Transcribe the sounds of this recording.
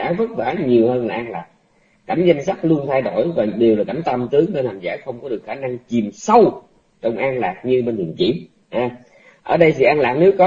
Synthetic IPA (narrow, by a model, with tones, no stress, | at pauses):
ʔaː˨˦wvə˦˥k̚vaa˨˦ɲi˨˩əwhəː˧nlaː˨˩ʔaː˧nla̰ː˨˩k̚ | ka˧˩˦za˧jŋ̟sa˦˥k̚lu˧ənt̪ʰa˧jɗo̰˧˩jvaː˨˩ɗe˨˩wlaː˨˩ka˧˩jmt̪ə˧mt̪ɨ˨˦əŋt̪ə˧laː˨˩mza̰ː˧˩˥xə˧wŋ͡mkɔ˨˦ɗɨ˨˩ək̚xaː˧˩na˧ŋt͡ɕi˨˩msə˧w | t͡ɕɔ˧wŋ͡mʔaː˧nlaː˨˩k̚ɲɨ˧ɓe˧nt̪ḭ˧˨ənt͡ɕḭ˧˥w | ʔaː˧ | ʔəː˧˩ɗə˧jsɨ̰˧˨ʔaː˧nlaː˨˩k̚ne˨˦wkɔ˨˦